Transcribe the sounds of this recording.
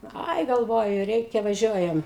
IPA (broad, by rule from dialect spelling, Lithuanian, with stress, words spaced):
ˈɐɪ ɡɐlˠˈʋoːjʊ ˈrʲɛɪkʲɛ ʋɐˈʒʲuɔjɛm